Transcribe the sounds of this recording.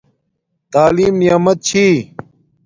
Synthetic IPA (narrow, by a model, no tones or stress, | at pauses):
t̪aːliːmnijaːmɐt̪̚t͡ɕʰiː